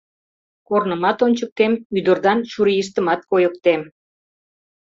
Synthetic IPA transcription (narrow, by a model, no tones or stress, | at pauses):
kornəmɑt̪onʲt͡ɕək̚t̪emyd̪ə̆rd̪ɑnʃuɾijiʃ̬t̪əmɑt̪̚kojək̚t̪em